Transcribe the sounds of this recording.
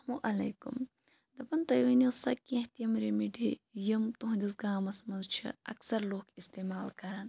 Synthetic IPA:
muʔɐleːkṵm | d̪ɐpɐnt̪ɐjʋinosɐ̰kĩht̪jɐmɾemiɖijimt̪uɦd̪isɡaːmɐsmɐzt͡ʃʰḭɐ̰ksɐɾloːkist̪eːmaːlkɐɾɐn

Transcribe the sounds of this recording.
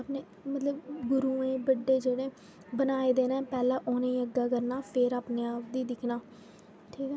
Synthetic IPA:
aːpneː | mət̪ləbɡʊɾuːẽːbəɖːeːd͡ʒeːɽeː | bənaːeːd̪eːnãːpɛːlãːʔoːnaːĩːəɡaːkəɾnaːpʰɪːɾaːpneːaːp̚d̪iːd̪ɪkʰnaː | ʈʰiːkɛː

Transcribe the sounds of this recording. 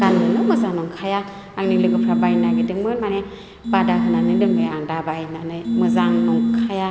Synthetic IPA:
ɡ̥ankɯnɯmɯzaŋnɔŋkʰaja | aŋnilɯɡɯpʰɾabajnaɡidɯŋmɯnmane | badakʰɯnanɯdɯmbʰɯjaŋdabajnanɯjmɯzaŋnɔŋkʰaja

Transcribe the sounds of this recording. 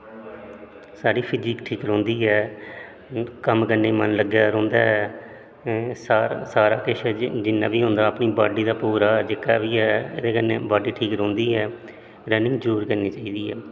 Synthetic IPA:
saːɖiːpʰɪd͡ʒiːkʈʰiːkɾõːnd̪iːɦɛː | kəmkəɾneːmənləɡjaːɾõːnd̪aːɦɛː | ssaːɾaːkɪʃɛd͡ʒɪnːãːbiːɦʊ̃ːnd̪aːəpniːbaːɖiːd̪aːpuːɾaːd͡ʒɪkaːʋiːɦɛːɪ̰d̪eːkənḛːbaːɖiːʈʰiːkɾõːnd̪iːɦɛː | ɾɛːnɪ̃ŋɡd͡ʒuːɾkəɾniːt͡ʃaːiːd̪iːɦɛ̰ː

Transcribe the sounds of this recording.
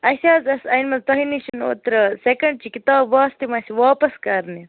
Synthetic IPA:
ɐsʲaːzɐsɐjnmɐnt̪ɐɦiniʃɐno̰ːt̪ɾɐsekɐɳɖ̚t͡ʃikit̪aːbʋaːst̪imɐsiʋaːpɐskɐɾni

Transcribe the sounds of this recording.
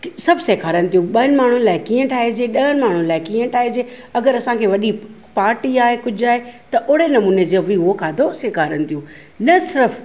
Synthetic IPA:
sɐbʱseːkʰaːɾənɪ̆t̪ʰijũɓɐənɪ̆maːɳ̤ʊ̃laːɪkĩːə̃ʈʰaːɦed͡ʑeːɗɐɦənɪ̆maːɳ̤ʊ̃laːɪkiːə̃ʈʰaːɦed͡ʑeː | ɐɡəɾɐsãkʰeːʋɐɗi | paːɾʈiaːɦekʊd͡ʑʱaːɦet̪ɐʔʊːɽenɐmuːned͡ʑeːɐbiɦuokʰaːd̪ʱoseːkʰaːɾənɪ̆t̪ʰijũː | nɐsɪɾəf

